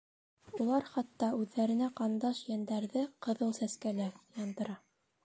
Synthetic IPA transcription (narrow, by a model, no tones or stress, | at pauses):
ulˠɑɾχɑt̪ːɑʉðːæɾɘ̆næqɑnd̪ɑʃjænd̪æɾðɘqɤ̆ðɤlˠsæskælæjɑnd̪ɤ̆ɾɑ